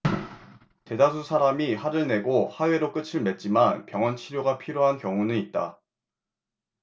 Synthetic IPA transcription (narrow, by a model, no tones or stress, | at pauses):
te̞das̬ʰusʰaɾamihaɾɯɭne̞ɡohaɥeɾok͈ɯt͡ɕʰiɭme̞t̚t͡ɕ͈imanpjʌŋʌnt͡ɕʰiɾjoɡapʰiɾoɦankjʌŋunɯnit̚t͈a